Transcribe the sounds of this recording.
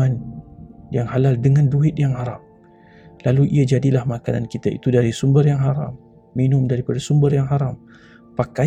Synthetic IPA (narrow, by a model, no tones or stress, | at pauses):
an | jaŋhalaldəŋãnduɪt̪̚jaŋɦaɾap̚ | laluʔḭad͡ʒadilahmakana̰nkit̪aḭt̪udaɾisumbərjaŋɦaɾamː | inʊmdaɾipadasumbərjaŋɦaɾam | paka